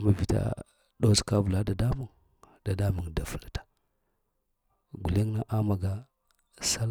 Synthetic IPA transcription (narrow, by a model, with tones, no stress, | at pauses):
ma˨vi˨ta̰˦ | ɗo˦ska˦və˨la˦da˨da˦mu˦ŋ | d̥a˨da˦mu˨ŋda˨fu˨ltḁ˨ | ɡu˨le˦ŋna˦ʔa˦ma˨ɡa˦ | sa˦l